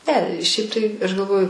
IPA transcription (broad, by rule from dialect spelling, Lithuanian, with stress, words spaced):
ˈnʲɛ ˈʃʲɛɪp tɐɪ ˈɐʃ ɡɐlˠˈʋoːjʊ